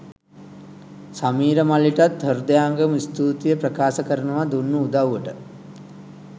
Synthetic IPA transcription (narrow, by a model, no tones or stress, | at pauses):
samiːɾəmaliʈat̪həɾd̪əjaŋɡəmist̪uːt̪ijəprəkaːsəkəɾənuʋad̪unːuud̪awʋəʈə